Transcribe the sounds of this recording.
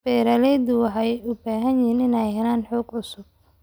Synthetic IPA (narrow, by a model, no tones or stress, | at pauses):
bɛːɾɐlɛjd̪ʊwħɛjʊbaːɦɐnjɪːnɪnɛjɦɛlaːnħɔːɡʊsʊb̥̚